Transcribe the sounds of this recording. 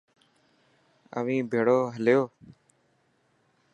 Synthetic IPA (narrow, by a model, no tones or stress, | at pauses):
ə̰ʋĩːbʱeːɽoːɦəljoː